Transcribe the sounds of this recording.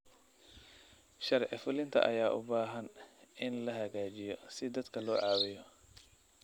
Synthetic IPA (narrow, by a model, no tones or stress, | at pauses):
ʃɐɾʕɪfʊlɪnt̪ʰɐ̰ʔɐ̰jaːʔʊ̰baːɦɐnɪnlɐɦɐɣaːt͡ʃɪjɔsɪd̪ɐd̪kʰɐlɔːʕɑːwɪjɔ